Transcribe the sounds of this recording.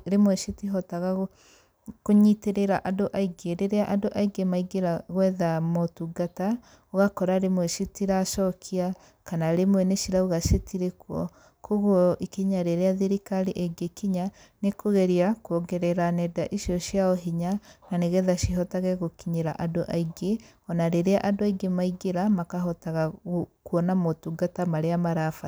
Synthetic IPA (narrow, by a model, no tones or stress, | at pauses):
ɾemwɛʃitiɦɔtaɣa | koɲiteɾeɾaʔadoʔaiɡeɾeɾeaʔadoʔaiɡemaiɡeɾaɣwɛðamotuɡata | oɣakɔɾaɾemwɛʃitiɾaʃɔkʰia | kanaɾemwɛneʃiɾaoɣaʃetiɾekwɔ | kʰoɣɔʔikiɲaɾeɾeaðeɾikaɾiʔɛɡekiɲa | nekoɣeɾiakuoɡɛɾɛɾanɛdaʔiʃjɔʃiaɔɦiɲananeɣɛðaʃiɦɔtaɣɛɣokiɲeɾa̰ʔadoʔaiɡe | ɔnaɾeɾea̰ʔadoaiɡemaiɡeɾamakaɦɔtaɣakuɔnamotuɡatamaɾeamaɾafa